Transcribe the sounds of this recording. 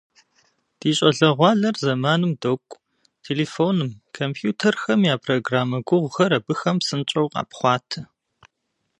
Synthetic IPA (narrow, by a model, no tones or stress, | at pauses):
d̥iːɕʼɐɮɐʁʷɑːɮɐrzɐmaːnɨmdokʷʼ | tʰeːleːfoːnɨmkʰompʰjuːtʰɐrxɐmjaːpʰroːɡraːmɐɡʷʊʁʷxɐɾɐbɨxɐmsɨnt͡ʃʼɐwqɑ̰ːpχʷɑːtʰɨ